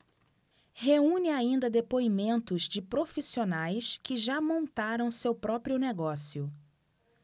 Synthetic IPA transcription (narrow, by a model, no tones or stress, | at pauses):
heũnɪaĩnd̪ɐd̪epoimẽnt̪ʊzd͡ʒɪpɾofisionajskɪʒamõnt̪aɾɐ̃w̃sewpɾɔpɾiʊneɡɔsiʊ